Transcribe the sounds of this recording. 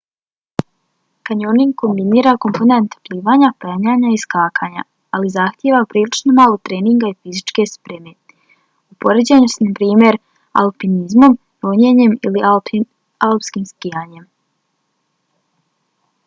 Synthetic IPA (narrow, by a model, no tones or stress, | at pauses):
kaɲoniŋɡko̞mbiniːɾako̞mpo̞ne̞nt̪pliːʋaːɲapeɲaːɲaiskaːkʰaɲa̰ | alizaxt̪jeʋapɾiːlit͡ʃnomaːlˠot̪ɾe̞ːniŋɡaifizit͡ʃke̞spɾeme̞ | upo̞ɾed͡ʑeɲusnapɾiːmjeɾ | a̰lpinizmo̞m | ɾoɲeɲe̞mili | alpskimskijaːɲe̞m